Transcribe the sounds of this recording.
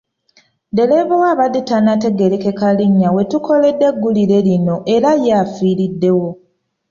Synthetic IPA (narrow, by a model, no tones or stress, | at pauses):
de̞leβowaβaditanate̞ɡe̞leke̞kaliɲːawe̞tuko̞le̞dːe̞ɡːulile̞lino̞ʔe̞ɾajafiːɾidːe̞wo̞